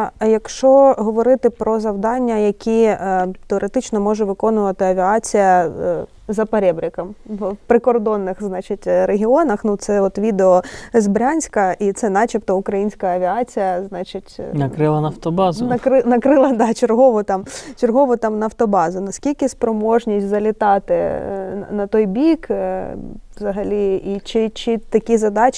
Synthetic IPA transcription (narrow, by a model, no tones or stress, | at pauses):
jɐkʃt͡ʃɔɦɔʋɔɾɪt̪ɪpɾɔzɐwd̪ɑnʲːɐjɐkʲit̪eɔɾʔet̪ɪt͡ʃnɔmɔʒɛʋɪkɔnʊʋɐt̪ɪɐʋʲiɑt͡sʲijɐ | zɐpɐɾʲɛbɾʲɪkɐmpɾɪkɔrd̪ɔnːɪxznɑt͡ʃɪtʲɾeɦʲiɔnɐxnut̪sɛɔt̪ʋʲid̪eɔzbɾʲanʲsʲkɐʔit̪sɛnɑt͡ʃipt̪ɔʊkɾɐjinʲsʲkɐɐʋʲiɑt͡sʲijɐznɑt͡ʃɪtʲnɐkɾɪlˠɐnɐft̪ɔbɑznɐkɾɪnɐkɾɪlˠɐd̪ɑt͡ʃerɦɔʋʊt̪ɑmt͡ʃerɦɔʋʊt̪ɑmnɐft̪ɔbɑzʊnɐskʲilʲkɪspɾɔmɔʒnʲisʲtʲzɐlʲɪt̪ɑt̪ɪ | nɐt̪ɔjbʲik | ʋzɐɦɐlʲiit͡ʃɪt͡ʃɪt̪ɐkʲizɐd̪ɑt͡ʃ